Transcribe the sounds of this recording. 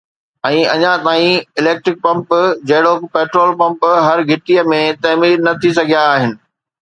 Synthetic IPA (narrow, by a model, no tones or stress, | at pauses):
ɛ̃ːɐɲãt̪aːĩɪleːk̚ʈɾɪk̚pɐ̃mpd͡ʑɐɦɪɽokpeːʈɾoːlpɐ̃mpɦɐɾɡʱɪʈijəmẽt̪ɐːmiːɾnɐt̪ʰisɐɡʱijaːɦɪnɪ̆